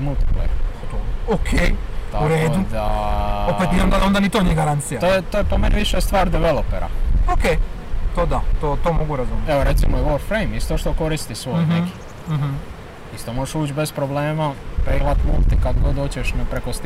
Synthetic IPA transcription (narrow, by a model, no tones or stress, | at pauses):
mulˠt̪i̥plḛj̰ | okʰet̪auɾeːdoud̪aopet̪nismamd̪aond̪anit̪onijeɡaɾant̪sijat̪oːjet̪oːjepomeniʋiʃest̪ʋaːɾd̪eʋelopeɾa̰okejt̪od̪at̪oːt̪oːmoɡuɾazumjɛʋoɾet̪simojeʋoɾfɾejmist̪o̞ʃt̪o̞ko̞ɾist̪isʋojneki̥ | m̩ɦ̩ | ist̪oːmoʒeʃuːt͡ɕbespɾobleːmapɾeɦlat̪mo̰t̪ikad̪ɡod̪oːt͡ɕeʃnpɾekost̪